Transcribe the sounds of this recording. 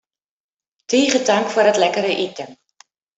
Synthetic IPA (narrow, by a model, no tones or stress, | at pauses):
tiːχədaŋkfuəːɾətlɛkəɾəʔitəm